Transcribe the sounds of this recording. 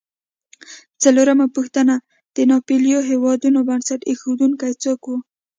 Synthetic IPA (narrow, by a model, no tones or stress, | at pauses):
t͡saloɾamapuxt̪əna | d̪̥ənɑpeljoɦewɑd̪unobansaʈexod̪uŋkajt͡səkwu